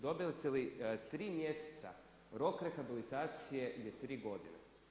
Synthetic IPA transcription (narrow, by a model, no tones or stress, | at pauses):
d̪obʲɪlʲˠt̪ʲɛlʲˠɪt̪ɾʲimʲjesʲɛ̥t̪sɐ̰ | ɾokɾɛxɐbʲɪlʲˠɪt̪at̪sɪjɛlʲɛt̪ɾʲiɡod̪ɪnɛ̰